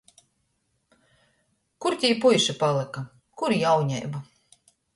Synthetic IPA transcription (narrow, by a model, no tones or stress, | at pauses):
kuɾt̪ʲiːpujʃapalˠɛka | kuɾjawɲɛ̰jba